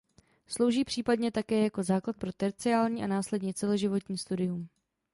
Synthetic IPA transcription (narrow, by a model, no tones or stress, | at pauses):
slo̞wʒiːpr̥iːpadɲɛt̪akɛːjako̞zaːklat̪̚pɾo̞t̪ɛɾt͡sɪaːlɲiːʔanaːslɛdɲɛt͡sɛlo̞ʒɪvo̞t̪ɲiːst̪udɪjum